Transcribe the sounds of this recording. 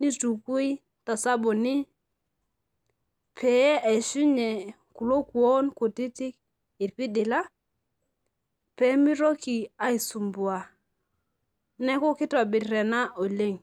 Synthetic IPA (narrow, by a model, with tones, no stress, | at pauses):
ni˦tu˨ku˦i˦ | ta˨sa˦bo˨ni˦ | pʰe˨jɛ˦ʔe˨su˦ɲe˨ | ku˨lo˦ku˨o˦nko˨ti˦ti˦k̚ | i˨tpi˦di˨la˦ | pe˨˦mi˦ɾo˦ki˨a˦i˨su˨mbu˨a˨ | nɛ˦ko˦ki˦tɔ˨bi˨tɾɛ˨na˦ʔo˨le˦˨ŋ